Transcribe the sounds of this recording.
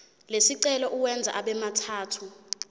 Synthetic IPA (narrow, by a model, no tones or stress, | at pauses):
lesiǀɛlɔʔuwɛnd͡zʱa̰ʔaɓɛmatʰaːtʰu